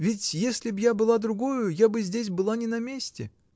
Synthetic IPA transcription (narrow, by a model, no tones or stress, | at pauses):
vʲɪtʲjesʲlʲɪbjabɨlˠad̪ɾʊɡojʊjabɨzʲdʲes̬ʲbɨlˠanʲɪnɐmʲesʲtʲɪ